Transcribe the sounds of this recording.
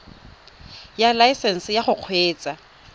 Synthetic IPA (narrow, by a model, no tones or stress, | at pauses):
jalaisɛn̩sɪjaχʊq͡χʰweːt͡sʼa